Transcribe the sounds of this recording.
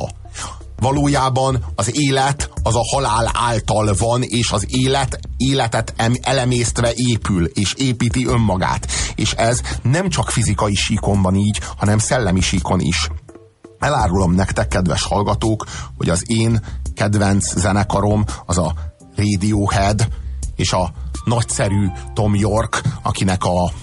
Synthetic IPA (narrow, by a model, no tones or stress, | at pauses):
vɒloːjaːbɒnɒzeːlɛt̪ɒzɒhɒlaːla̰ːlt̪ɒlvɒneːʃɒzelɛt̪eːlɛt̪ɛt̪ɛlɛmeːst̪ʋɛʔeːpyleːʃeːpiːt̪iʔø̞mːɒɡa̰ːt̪eːʃɛznɛmt͡ʃɒkfizikɒjiʃiːko̞mbɒniːɟhɒnɛmsɛlːɛmiʃiːko̞nḭʃ | ɛlaːɾulo̞mnɛkt̪ɛkːɛd̪ʋɛ̰ʃhɒlɡɒt̪oːkho̞̰ɟɒzeːnkɛd̪vɛnt̪szɛnɛkɒɾo̞mɒzɒ | reːd̪ioːhɛd̪eːʃɒnɒcsɛɾyːt̪o̞mjo̞rkɒ̰kinɛkɒ